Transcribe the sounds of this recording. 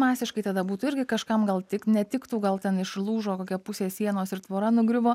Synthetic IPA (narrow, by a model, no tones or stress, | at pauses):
mɑːsʲɪʃkɐɪt̪ɐd̪ɐbuːt̪ʊɪɾʲɡʲɪkɐʃkɐmɡɐlˠt̪ʲɪknʲɛt̪ʲɪkt̪uːɡɐlˠt̪ʲɛnɪʃlˠuːʒoːkoːkʲɛpʊsʲeːssʲiɛnoːsɪɾt̪ʋoːɾɐnʊɡɾʲɪʋoː